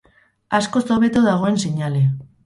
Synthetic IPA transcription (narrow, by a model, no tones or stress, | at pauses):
asko̞soβe̞t̪oðaɣ̞o̞e̞nseɲale̞